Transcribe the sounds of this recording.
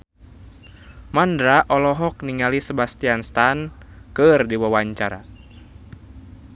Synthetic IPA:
mandɾaʔɔlɔɦɔk̚niŋalisəbast̪ianst̪ankɨrdiwawaɲt͡ʃaɾa̰

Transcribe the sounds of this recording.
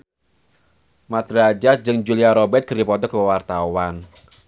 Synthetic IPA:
mat̪ɾad͡ʒad͡ʒɨŋd͡ʒuliaɾɔbɛt̪̚ɡ̥əɾipɔt̪ɔkəwart̪awan

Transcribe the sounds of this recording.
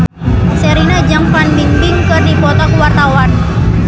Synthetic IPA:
sɛɾinad͡ʒaŋpanbiŋbɪŋkɨrdipɔt̪ɔkuwart̪awan

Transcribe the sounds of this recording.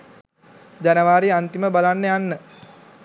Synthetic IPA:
d͡ʑanəʋaːɾiant̪iməbalanːəjanːə

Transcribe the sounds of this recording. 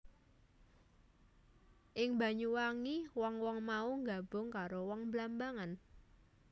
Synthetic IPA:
ʔɪŋba̤ɲuwaŋiwɔŋwɔŋmauŋɡa̤b̥ʊ̤ŋkaɾowɔŋblambaŋan

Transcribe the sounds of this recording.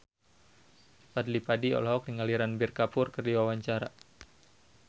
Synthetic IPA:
padlipadiɔ̰lɔɦɔk̚niŋaliɾanbirkapʊrkərdiwawaɲt͡ʃaɾa̰

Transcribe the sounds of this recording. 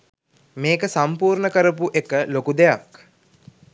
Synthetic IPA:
meːkəsampuːɾɳəkəɾəp̬uʔekəlokud̪ejak

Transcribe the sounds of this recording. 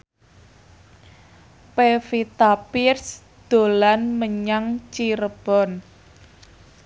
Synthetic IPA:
pefit̪apirs | d̪̥o̤lanməɲaŋt͡ʃiɾəb̥ɔ̤n

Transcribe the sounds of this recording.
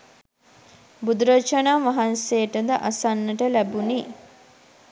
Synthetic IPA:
bud̪uɾət͡ʃanaːʋaɦanseːʈəd̪əʔasanːəʈəlæbuni

